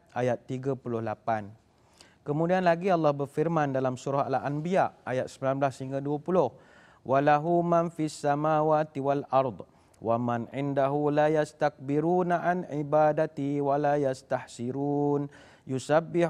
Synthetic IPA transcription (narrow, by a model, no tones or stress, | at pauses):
ʔajat̪ːiɡapulʊhlapan | kəmũdianlaɡiɑlːɑhbərfirmãndalamsuɾaha̰laʔanbiaʔajat̪̚səmbilanblasəhiŋɡaduapulʊh | wʔalaɦumãnfiasːamawaːt̪iwalʔɑɾˤd̪ˤ | wamanʕɪndaɦulajast̪ak̚biɾuːnaʕanʕibadat̪iwalajast̪ahsiɾuːn | jusabːɪ